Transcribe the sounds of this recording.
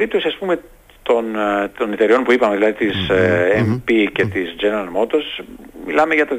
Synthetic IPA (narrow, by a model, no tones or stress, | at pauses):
ɾipt̪o̞siɐspume̞ | t̪o̞nt̪o̞net̪e̞ɾio̞npuipɐmeðilɐðit̪isempice̞t̪izd͡ʒenɐmo̞t̪o̞smilɐmeʝɐt̪o